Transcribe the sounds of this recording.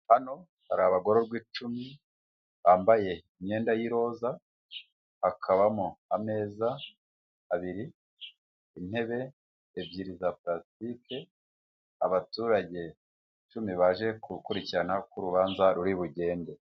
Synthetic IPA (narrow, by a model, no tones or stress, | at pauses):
hano̞ | haɾaβaɡo̞ɾo̞ɾɡwiːt͡ʃumi | βaːmbaje̞imɲe̞ːndajiɾo̞ːza | hakʰaβamoame̞ːzaː | βiɾi | in̥he̞βe̞ː | vjiːɾizapɾastike̞ | a̰βatuːɾaɟe̞ | t͡ʃumiβaʒe̞kukuɾiciɾanakuɾuβaːnzaɾuɾiβuɟe̞ːnde̞